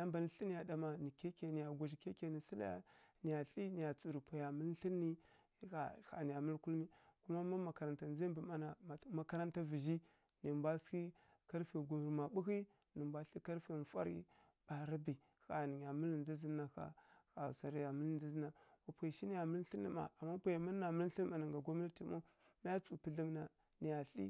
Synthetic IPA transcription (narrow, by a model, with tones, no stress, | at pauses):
a˦mba˨ni˦ɬi˦ni˨ja˨da˨ma˨ni˨ke˦ke˨ni˨ja˨ɡʷa˨ʒi˨ke˦ke˨ni˨si˦la̰˦ja̰˦ni˨ja˨ɬi˦ni˨ja˨t͡su˨ɾu˨pa˨ja˨mə˦lɬi˦nːi˦ | a̰˨ha̰˨ni˨ja˨mə˦lku˦lmi˦ku˦ma˦ma˦ma˨ka˨ɾa˨nta˨n˦za˦mbi˨ma˦na˨˦ma˨ka˦ɾa˦nta˦vi˨ʒi˦ | ni˨bʷa˦ski˦ | ka˦ɾfi˨ɡu˨ɾma˨bu˦xi˦ | ni˨mbʷa˦ɬi˦ka˦ɾfe˨fa̰˦ɾḭ˦ | ba˨ɾa˦bi˨ | xa˨ni˨ja˨mə˦lnd͡zi˦zi˦na˨xa̰˨xa˨sa˨ɾi˦ja˨mə˦ld͡zi˦zi˦na˨wa˨pʷi˨ʃi˦ni˨ja˨mə˦lɬi˦nːḭ˨ma̰˨a˨mːa˦pa˨ja˨mi˦na˨mə˦lɬi˦ma˨na˨ŋɡa˨ɡo˦m˦na˦ti˨mo˦ | ma˦a˦t͡su˨pə˦ɮi˦m˦na˨ | ni˨ja˨ɬḭ˦